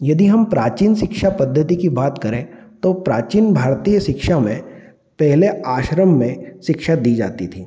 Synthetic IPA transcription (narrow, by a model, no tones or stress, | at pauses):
jɐd̪iɦɐmpɾaːt͡ʃiːnʃɪkʃapɐd̪ʱːət̪ikibaːt̪kɐɾẽ | t̪opɾaːt͡ʃiːnbʱaːɾt̪iːjəʃɪkʃamẽ | pɛɦleaːʃɾəmːẽʃɪkʃad̪iːd͡ʒa̰ːt̪it̪ʰiː